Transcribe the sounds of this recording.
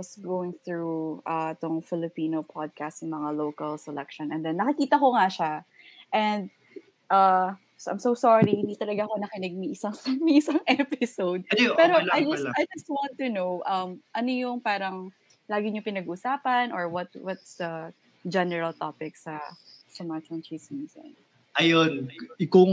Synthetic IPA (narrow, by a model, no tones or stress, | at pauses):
wɐsɡowɪ̃ŋθɹuʔɐɪt̪oŋfɪlɪpiːnopʰɔd̪̚kast̪jʊŋmɐŋalowkɐlsɛlɛk̚ʃɔ̃nʔɛnd̪ɛnːɐkɪkiːt̪ɐko̞ŋaʃa | ʔɛ̃nd̪̚ | ʔɐ | sʔa̰jmsowsaɹihɪ̃nd̪iːt̪ɐlɐɡako̞nɐkɪnɪɡ̚mɪʔɪsaŋsmɪʔɪsaŋʔɛpɪsowd̪̚pɛɾoajd͡ʒɐsajd͡ʒɐst̪̚wãnt̪ːunowʔɐmʔɐnojʊŋpaːɾɐŋ | laːɡɪɲopɪnɐɡuʔːsaːpɐnʔɔɹwɐt̪̚wɐt̪sd̪ɐ | d͡ʒɛnɛɹɐlt̪opɪk̚sɐsɐmat͡ʃɐ̃nt͡ʃismisɐ̰n | ʔɐjonɪko